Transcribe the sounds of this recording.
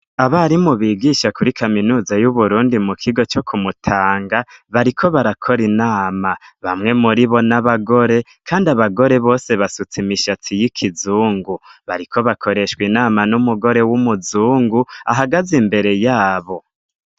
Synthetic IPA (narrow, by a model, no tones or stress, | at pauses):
aβaɾimuβiːɡiʃakuɾikʰaminuːzajuβuɾuːndimukʰiɡo̞t͡ʃo̞kʰumutʰaːŋɡaβaɾikʰo̞βaɾakʰo̞ɾinaːmaβamŋe̞muɾiβo̞naβaɡo̞ɾe̞ | kʰaːndiaβaɡo̞ɾe̞βo̞ːse̞βasut͡simiʃatʰijikʰizuːŋɡuβa̰ɾikʰo̞βakʰo̞ɾe̞ʃwinaːmanumuɡo̞ɾe̞wumuzuːŋɡuaɦaɡazimbe̞ɾe̞jaːβo̞